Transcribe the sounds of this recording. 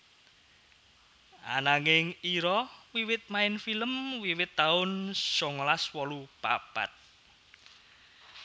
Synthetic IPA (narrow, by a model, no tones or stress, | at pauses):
ʔa̰naŋɪŋiɾɔwiwɪt̪̚maɪnfiləmwiwɪt̪ːaʊnsɔŋlaswɔlupa̰pa̰t̪̚